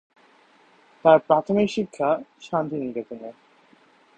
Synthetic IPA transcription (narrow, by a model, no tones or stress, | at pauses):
t̪aɾpɾat̪ʰomikʃikʰːaʃant̪iniɡet̪ine